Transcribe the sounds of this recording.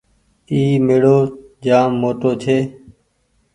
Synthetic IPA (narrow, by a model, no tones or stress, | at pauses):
iːmeːɽoːd͡ʒaːmːoːʈoːt͡ʃʰeː